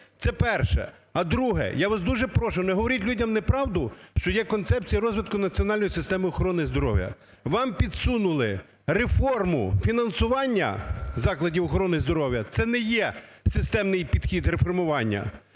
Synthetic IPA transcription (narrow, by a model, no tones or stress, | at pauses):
t̪sɛpɛrʃɛ̰ | ɐd̪ɾuɦɛ̰jaʋasd̪uʒɛpɾɔʃɪwnɛɦɔʋɔɾʲitʲlʲudʲɐmnɛpɾɑwd̪ʊʃt͡ʃɔjɛkɔnt̪sɛp̚t͡sʲijɐɾɔzʋɪt̪̚kʊnɐt͡sʲiɔnɑlʲnjisɪst̪ɛmɪɔxɔɾɔnɪzd̪ɔɾɔ̰wʲjɐ̰ | ʋɑmpʲid̪sunʊlˠɪ | ɾefɔrmʊfʲinɐnsʊʋɑnʲːɐ̰zɑklˠɐdʲiwɔxɔɾɔnɪzd̪ɔɾɔwjɐt̪sɛnɛjɛsɪst̪ɛmnɪjpʲid̪xʲid̪ɾefɔrmʊʋɑnʲːɐ̰